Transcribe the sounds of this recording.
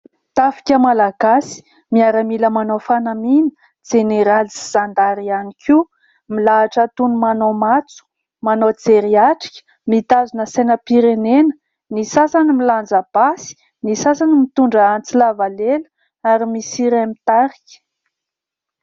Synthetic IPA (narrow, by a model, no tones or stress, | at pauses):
t̪afi̥kʲəmalaɡasi̥ | miaɾamiləmanofanaminə̥ | d͡z̥eneɾalsiz̥and̪aɾianikʲʰi | milaːʈ͡ʂət̪unumanomat͡su̥ | manod͡zeɾiaʈ͡ʂi̥kʲə̥ | mit̪azunəsenəpiɾenenə̥ | nisasanimiland͡zab̥asi̥ | nisasanimit̪uɳɖ͡ʐəant͡silavalelə̥ | aɾimisiɾamit̪aɾikʲə̥